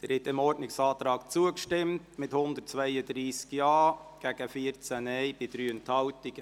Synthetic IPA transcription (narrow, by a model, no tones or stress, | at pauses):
d̥əɾhɛtɪmɔɾdnɪksɑːtɾɑːkt͡suəkʃtɪmtmɪthʊnd̪ətt͡svɛjədɾiːskjɑːɡ̥æɡ̥əfiəɾt͡sænɛjb̥ɪd̥ɾyːənthɑwtɪɡ̥ə